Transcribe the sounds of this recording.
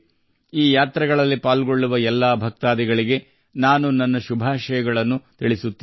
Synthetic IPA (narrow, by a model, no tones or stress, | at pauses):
iːjaːt̪ɾɐɡɐɭɐlːipaːlɡoɭːuʋɐɛlːaːbʱɐk̚t̪aːd̪ɛɡɐɭiɡe̞ | naːnunɐnːɐʃubʱaːʃɐjɐɡɐɭɐnːut̪iɭisut̪ːi